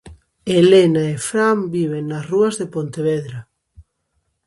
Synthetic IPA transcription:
elenaefɾambiβ̞eŋnasruɐzðepont̪eβeðɾa

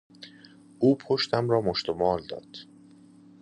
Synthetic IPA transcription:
ʔuːpʰoʃt̪ʰæmɾɒːmoʃt̪omɒːld̪ɒ̰ːd̪̥

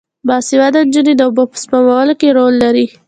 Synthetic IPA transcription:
bɑsɪwad̪and͡ʒəned̪aʊbopə̥spamawalokeɾolːaɾi

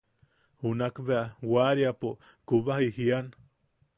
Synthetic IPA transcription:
hunakbeawaɾjapo | kuβahihian

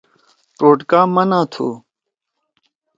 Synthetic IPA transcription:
ʈoːʈkaːmɐnãːt̪ʰo̰ː

